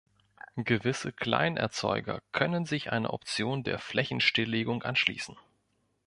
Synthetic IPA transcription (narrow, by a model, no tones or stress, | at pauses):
ɡ̥əvɪsəkʰl̥a̰ɪnʔɛ̰ɐt͡sɔʏɡɐ̰kʰœnənzɪçʔa̰ɪnɐ̰ʔɔpt͡sjoːndḛːɐflɛçn̩ʃtɪlːeːɡʊŋʔa̰nʃlḭːsn̩